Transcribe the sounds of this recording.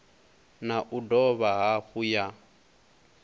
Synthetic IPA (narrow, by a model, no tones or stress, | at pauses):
naʔudɔβaɦahuja